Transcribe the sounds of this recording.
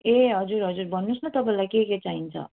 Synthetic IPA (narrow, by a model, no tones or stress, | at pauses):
eɦʌd͡zuɾɦʌd͡zurbʱʌnːusnʌt̪ʌpãlajkeket͡saɦint͡sʰʌ̰